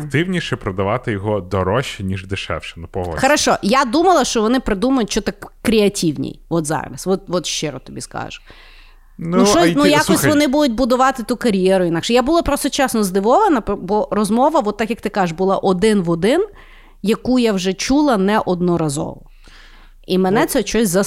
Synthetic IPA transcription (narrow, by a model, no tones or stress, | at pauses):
kt̪ɪwnʲiʃɛpɾɔd̪ɐʋɑt̪ɪjɔɦɔd̪ɔɾɔʃinʲiʒd̪ɪʃɛ̰wʃɛ̥nʊpɔɦɔ̰xɐɾɐʃɔjad̪umɐlˠɐʃt͡ʃɔʋɔnɪpɾɪd̪umɐjʊtʲt͡ʃɔt̪akkːɾʲɪɐtʲiwnʲḭjʋɔt̪zɑ̰ɾɐ̰sʋɔt̪̚ʋɔt̪ʃt͡ʃɪɾɔt̪ɔbʲḭskɑ̰ʒʊ | nuʃɔnujakʲɔsʲʋɔnɪbud̪ʊt̚ʲbʊd̪ʊʋɑt̪ɪt̪ukɐɾʲjɛɾʊinɑkʃɛjabulˠɐpɾɔst̪ɔt͡ʃɛsnɔzd̪ɪʋɔʋɐnɐpbɔɾɔzmɔʋɐʋɔt̪ːɑkjɐk̚t̪ɪkɑzɪʃbʊlˠɑʔɔd̪ɪnʋɔd̪ɪn | jɐkujawʒɛt͡ʃulˠɐnɛʔɔd̪̚nɔɾɐzɔ̰ʋɔ | imɛnɛt̪sɛt͡ʃɔsʲzɐ